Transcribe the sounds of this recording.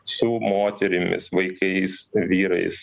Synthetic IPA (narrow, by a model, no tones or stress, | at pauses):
sʊmoːt̪ʲɛɾʲɪmʲɪ̰sʋɐɪkɐɪsʋʲiːɾɐ̰ɪs